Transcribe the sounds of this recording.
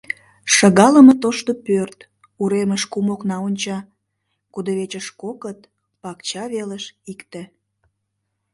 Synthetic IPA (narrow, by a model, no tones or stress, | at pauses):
ʃəɣɑləmət̪oʃt̪opørt̪ | uɾeməʃkumoknɑonʲt͡ɕɑ | kud̪əβet͡ɕəʃkokət̪̚ | pɑkt͡ɕɑβeləʃikt̪ĕ